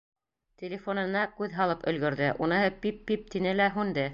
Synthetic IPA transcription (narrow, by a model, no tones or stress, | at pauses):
t̪ʲelʲɪfonɤ̆nɑkʉðɦɑlˠɤpɵ̆lɡɵ̆ɾðɘʔunɤɦɤpipːip̚t̪inɘlæɦʉnd̪ɘ